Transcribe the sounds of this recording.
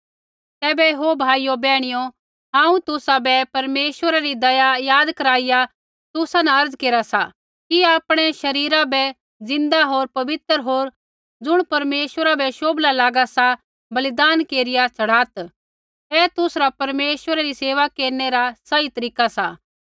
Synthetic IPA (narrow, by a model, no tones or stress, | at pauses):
t̪ɛːbɛɦobʱaːijobɛːɽ̃ɪjo | ɦãːũt̪ʊsabɛpɐɾmeːʃwəɾaɾid̪ɐjajaːd̪kɐɾaːɪja | t̪ʊsanɛɐɾd͡zkeːɾasa | kiaːpɽ̃ɛʃɐɾiːɾabɛ | d͡zɪ̃nd̪aɦoːɾpɐʋɪt̪əɾɦoːɾ | d͡zʊɽ̃pɐɾmeːʃʋəɾabɛʃoːblalaːɡasa | bɐlɪd̪aːnkeːɾɪjat͡sʰɐɽ̤aːt̪ | ɛːt̪ʊsɾapɐɾmeːʃwəɾaɾiseːʋakeːɾneɾasɐit̪ɐɾiːkasaː